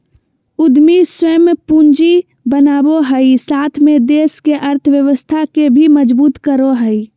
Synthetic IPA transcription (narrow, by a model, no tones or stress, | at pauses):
ʊd̪misəmpund͡ʒi | bənaːboɦəisaːt̪ʰmed̪eːskeʔəɾt̪ʰʋjəʋəst̪ʰakebʱiməd͡ʒbuːt̪kəɾoɦəi